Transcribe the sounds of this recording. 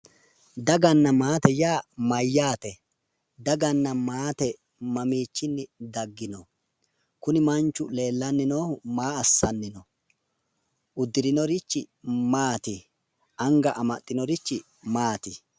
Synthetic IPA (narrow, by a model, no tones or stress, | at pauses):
d̪ɐɡɐnːɐmaːt̪ɛjaːmɐjːaːt̪ɛ | d̪ɐɡɐnːɐmaːt̪ɛ | mɐmiːt͡ʃːɪnːɪd̪ɐɡːɪnɔ | kʊnɪmɐnt͡ʃːʊle̞ːlːɐnːɪno̞ːhmaːɐsːɐnːɪnɔ | ʔʊd̪ːɪɾɪnɔɾɪt͡ʃːɪmaːt̪ɪ | ʔɐŋɡɐʔɐmɐt̪ʼːɪnɔɾɪt͡ʃːɪ | maːt̪ɪ